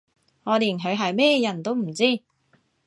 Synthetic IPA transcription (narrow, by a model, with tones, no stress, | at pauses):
ŋɔː˨˧liː˨˩nɦɵ˨˧ɥɦɐ˨jmɛː˥˧jɐ˨˩nt̪o˥wm̩˨˩t͡siː˥˩